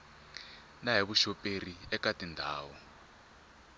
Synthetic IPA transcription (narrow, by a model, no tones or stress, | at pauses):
naɦiβuʃɔpʼeriɛkatʼindʱaːwɔ